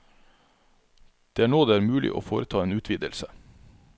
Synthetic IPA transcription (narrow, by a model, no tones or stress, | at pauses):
d̪̥eːæːɳoːd̪eːæːɾmʉːlɪ̰ʔo̰ːfoːɾət̪ʰɑːeːnʉːt̪ʰʋiːd̪əlsə